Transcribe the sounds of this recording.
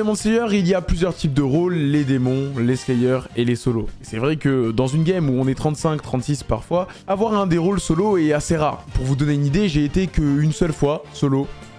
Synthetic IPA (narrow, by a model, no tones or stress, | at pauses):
emɔ̃slɛjœʁilijaplyzjœʁt̪ʰip̚d̪əʁolːed̪emɔ̃leslɛjœʁelesɔloesɛvʁɛkəd̪ɑ̃zynɡʲamuɔ̃nɛt̪χɑ̃t̪sɛ̃kt̪χɑ̃t̪sispaʁfwa | avwaʁɛ̃d̪eʁolsɔloeaseʁaʁpuʁvud̪ɔneynid̪eʒeːt̪ekəynsœlfwasɔlo